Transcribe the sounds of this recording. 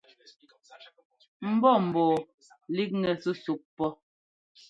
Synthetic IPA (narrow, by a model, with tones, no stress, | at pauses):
m̩˨bɔ˦˨m̩˨bɔː˨ | li˦k̚ŋɛ˨su˦su˨k̚pːɔ˦